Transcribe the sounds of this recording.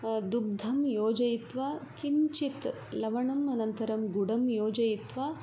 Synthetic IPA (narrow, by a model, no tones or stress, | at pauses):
d̪ub̚d̪ʱɐmjoːd͡ʒɐjit̪ʋakiɲt͡ʃit̪ | lɐʋɐɳɐmɐnɐnt̪ɐɾɐmɡuɽɐmjoːd͡ʒɐjit̪ʋɐ